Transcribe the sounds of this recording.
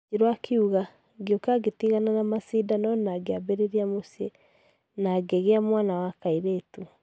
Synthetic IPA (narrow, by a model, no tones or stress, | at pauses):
iɾwakʰeuɣa | ɡeokaɡetiɣananamasidanɔnaɡeabeɾeɾiamosie | naɡeɣeamwanawakaiɾetu